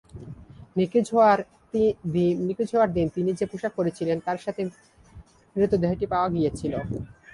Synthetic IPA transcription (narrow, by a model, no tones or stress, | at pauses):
nikd͡ʑʱoaɾ | d̪inikid͡ʑʱoaɾd̪int̪inid͡ʑepuʃak̚koɾet͡ɕʰilent̪aɾʃat̪ʰe | mɾit̪ːod̪eɦeʈipaoaɡijet͡ɕʰilo